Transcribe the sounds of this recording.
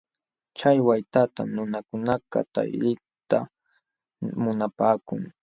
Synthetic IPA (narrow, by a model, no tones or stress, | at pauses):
t͡ʃajwajt̪at̪anʊnakʊnaka̰t̪a̰jlɪ | t̪a | mʊnapaːkʊŋ